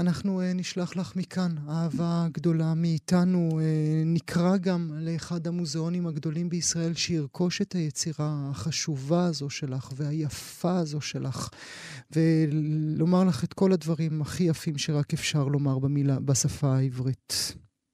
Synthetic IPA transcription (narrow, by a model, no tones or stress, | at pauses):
anaχnueniʃlaχlaχmikʰanaaːvaɡd̪o̞lamiːt̪anuenikʰʁaɡamle̞ːχad̪hamuzeo̞nimaɡd̪o̞limbeisʁae̞lʃeiʁkʰo̞ʃe̞thajet͡siʁaːχaʃuvaːzo̞ʃe̞laχvehajafaːzo̞ʃe̞lʔaχ | ve̞lo̞maʁlaχe̞tko̞ladvaʁimaχijafimʃeʁake̞fʃaʁlo̞maʁbamilabasafaːivʁit̪